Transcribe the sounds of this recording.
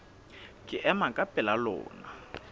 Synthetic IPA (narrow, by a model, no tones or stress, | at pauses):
kʼɪʔɛmakʼapʼɛlalɔ̰ːna